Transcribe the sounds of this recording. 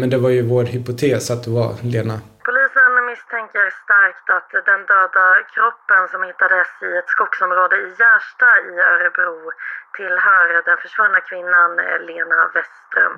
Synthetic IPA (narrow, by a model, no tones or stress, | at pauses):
mɛnd̪ɛvaɾjɵvoːɾhʏpʊt̪ʰeːsat̪̚d̪ɛva̰leːnapʰʊliːsənmɪst̪ʰɛŋkəɾst̪aɾkt̪at̪d̪ɛnd̪øːd̪akʰɾɔpːənsɔmhɪt̪ːad̪ɛsɪɛt̪skʊɡsɔmɾoːd̪əɪjæːʂʈaɪœːɾəbɾuːt̪ʰɪlhœːɾd̪ɛnfœʂvœːɾnakʰvɪnːanleːnavɛst̪ɾœ̰m